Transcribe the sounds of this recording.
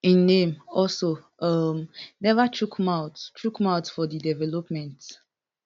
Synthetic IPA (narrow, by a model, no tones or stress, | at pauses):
ĩnːẽmɔlso | ʌmnɛvatʰɹukmaʊttʰɹukmaʊtfɔdidɛvɛlɔpmɛ̃nt